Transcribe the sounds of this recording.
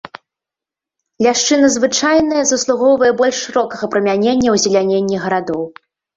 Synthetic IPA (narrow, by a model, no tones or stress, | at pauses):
lʲaʂt͡ʂɨnɐzvɨt͡ʂajn̪ɐjɐzɐslˠuɣɔwvɐjɛbɔlʲʂʂɨɾɔkɐɣɐpɾɐmʲanʲenʲːɐwzʲɛlʲanʲenʲːiɣɐɾad̪ɔw